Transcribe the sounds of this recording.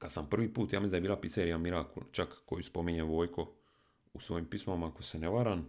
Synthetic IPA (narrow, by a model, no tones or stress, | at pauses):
kad̪sampr̩ʋiːpuːt̪jaːmisid̪aebiːlˠapit̪seɾijamiɾaːkṵt͡ʃakːojuspo̞miɲeʋo̞ːjko̞ | usʋo̞ːjimpismamakoseneʋaɾan